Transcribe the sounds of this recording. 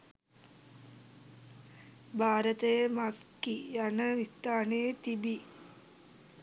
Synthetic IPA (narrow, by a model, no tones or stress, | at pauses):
bʱaːɾət̪əjəmaskijanəʋist̪aːnejət̪ibi